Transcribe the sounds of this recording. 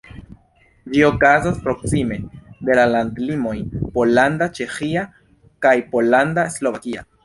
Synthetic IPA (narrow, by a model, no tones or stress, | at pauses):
d͡ʒio̞kazaspɾo̞ksime̞de̞lalandlimo̞jpo̞landat͡ʃe̞xia | kajpo̞landaslo̞vakia̰